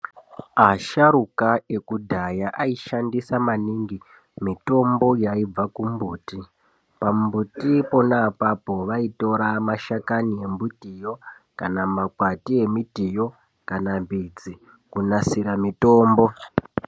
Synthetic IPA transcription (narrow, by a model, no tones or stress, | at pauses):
aʃaɾukae̞kudʱajaʔaiʃandisamaniŋɡi | mito̞mbo̞jaib͡vakumbuːti | pammbutipo̞napapo̞ʋaito̞ɾamaʃakanie̞mbutijo̞ | kanamakwatie̞mitijo̞ | kanambid͡zi | kunasiɾamito̞ːmbo̞